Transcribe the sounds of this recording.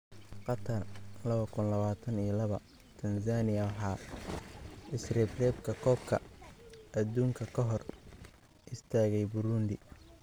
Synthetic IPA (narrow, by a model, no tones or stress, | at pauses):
qɑt̪ʰɐrlɐβɐkʰʊnlɐβaːt̪ʰɐnijɐlɐβɐ | t̪ʰɐnsaːnɪjɐwħɑː | ʔɪsrɛːbrɛːbkʰɐkʰɔːbkʰɐ̰ | ʔɐd̪uːŋkʰɐkʰɐɦɔr | ʔɪst̪ʰaːɣɛjbʊɾʊnd̪ɪ